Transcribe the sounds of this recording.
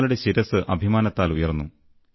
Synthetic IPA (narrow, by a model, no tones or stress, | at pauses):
luɽe̞ɕiɾɐsɨʔɐbʱimaːnɐt̪ːaːlujɐrnːu